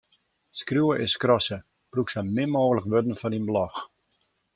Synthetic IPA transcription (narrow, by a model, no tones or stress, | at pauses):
skrjuəʔɪskrɔsə | pruksamɪmoːɣələkʋødən̩fɔninblɔx